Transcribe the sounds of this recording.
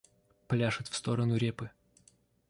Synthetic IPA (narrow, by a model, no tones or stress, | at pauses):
plʲaʂɨt̪fst̪o̞ɾənʊɾʲepɨ